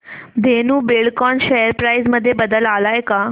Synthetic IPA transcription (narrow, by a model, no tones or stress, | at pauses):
d̪ʱenuːbiɭkɔnɕejəɾpɾajzməd̪ʱːjebəd̪əlalajka